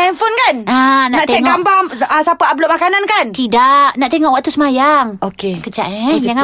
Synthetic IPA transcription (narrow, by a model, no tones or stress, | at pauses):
ɛnfonkanananaʔt̪t͡ʃɛŋɡambaməsapaabluʔmakanankant̪idaʔnaʔt̪eŋɔʔwaʔ̚t̪usəmajaŋokekət͡ʃa̰ʔd͡ʒaŋa